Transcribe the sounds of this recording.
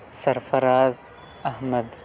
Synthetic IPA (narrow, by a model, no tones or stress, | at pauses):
sɐɾfɐɾaːz | ɐhmɐd̪